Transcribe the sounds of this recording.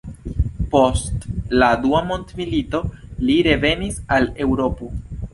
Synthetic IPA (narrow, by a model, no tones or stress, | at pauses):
po̞stladuamo̞ntmilito̞liɾe̞ve̞nisale̞wɾo̞po